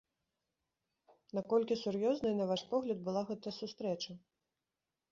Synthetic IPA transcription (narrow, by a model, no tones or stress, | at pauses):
nakɔlʲkʲisurjɔznɐjnɐvaʂpɔɣlʲɐd̪̚bɨlˠaɣɛt̪ɐjɐsust̪ɾɛt͡ʂɐ